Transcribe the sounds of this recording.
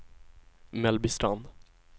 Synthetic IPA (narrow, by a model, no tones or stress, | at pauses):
mɛlbɪsʈan